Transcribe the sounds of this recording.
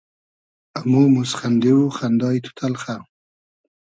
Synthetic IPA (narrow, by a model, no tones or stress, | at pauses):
amumusχand̪ewuχand̪ɑːjt̪ʰu̥t̪ʰalχa